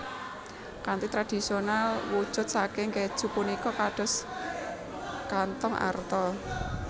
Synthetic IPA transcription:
kant̪it̪ɾad̥i̤sionalwud̥ʒ̥ʊ̤t̪̚sakeŋɡe̥ʒ̥ṳpunikɔkaɖ̥ɔ̤s | kant̪ɔŋʔa̰rt̪ɔ

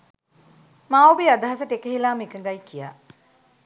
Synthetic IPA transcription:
mãːubiad̪ɐɦɐsɐʈekeɦilaːmikɐŋɡɐjkijaː

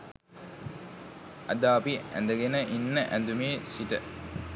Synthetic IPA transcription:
ɐ̰d̪aːpiæ̰nd̪əɡenəʔinːəʔænd̪umeːsiʈə̰

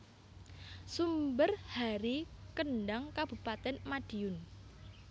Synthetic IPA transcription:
sumbərhaɾikənɖaŋkab̥ṳpat̪ɛnmaɖ̥i̤ʊn

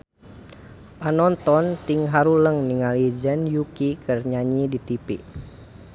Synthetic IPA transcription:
ʔanɔnt̪ɔnt̪iŋɦaɾuləŋniŋalid͡ʒɛnjukikʰərɲaɲidit̪ipḭ

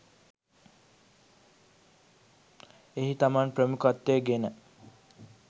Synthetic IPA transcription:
eɦit̪amanprəmukat̪ːejəɡenə

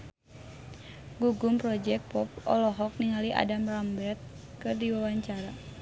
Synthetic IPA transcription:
ɡuɡumpɾɔd͡ʒɛk̚pɔp̚ɔ̰lɔɦɔk̚niŋaliʔa̰damrambɛrt̪̚ | kɨrdiwawaɲt͡ʃaɾa

